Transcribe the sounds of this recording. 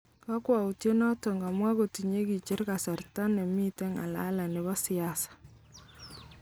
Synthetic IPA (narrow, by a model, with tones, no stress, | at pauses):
ka˦kwa˨u˨tje˦nɔ˦tɔ˨ŋɡa˨mwa˦ko˨ti˨ɲe˦ki˨t͡ʃe˦ɾka˨sa˨rta˦nɛ˨mi˦tɛ˦ŋa̰˨la̰˦la˨nɪ˨βa˦si˨a˨sḁ˨